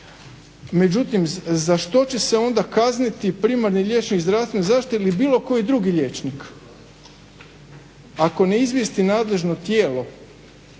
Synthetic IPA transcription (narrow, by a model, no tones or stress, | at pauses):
me̞d͡ʑut̪imzaʃt̪o̞t͡ɕe̞seo̞nd̪akaznit̪ipɾiːmaɾniʎʲe̞t͡ʃnikzd̪ɾafst̪ʋenzaʃt̪ilibiːlo̞ko̞jid̪ɾuɡiʎet͡ʃnik | ako̞neizʋʲje̞st̪inaːd̪le̞ʒno̞t̪jeːlo̞